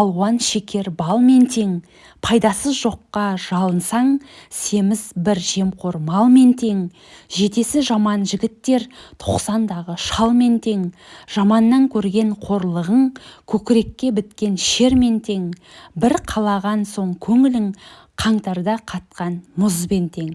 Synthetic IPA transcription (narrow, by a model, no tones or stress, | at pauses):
ɑlˠwɑnʃe̞kʲʰe̞ɾbɑlˠme̞nt̪ʰe̞ŋ | pʰɑjd̪ɑsəzʒo̞qːɑʒ̥ɑlˠənsɑɴse̞mɪzbɪɾʒe̞mqʰo̞ɾmɑlˠme̞nt̪ʰe̞ŋ | ʒe̞t̪e̞sɪʒɑmɑnʒɪɡʲɪt̪ːe̞ɾt̪ʰo̞qsɑnd̪ɑʁəʃɑlˠme̞nt̪ʰe̞ŋʒ̥ɑmɑnːɑŋkʲʰɵɾɡʲe̞ɴqʰo̞ɾlˠəʁəɴkʲʰɵkʲɪɾe̞kʲːe̞bɪt̪kʲe̞nʃe̞ɾme̞nt̪ʰe̞ŋbɪɾqʰɑlˠɑʁɑnso̞ɴkʲʰɵŋɪlɪŋ | qʰɑɴt̪ɑɾd̪ɑqʰɑt̪̚qɑnmʊzbe̞nt̪ʰe̞ŋ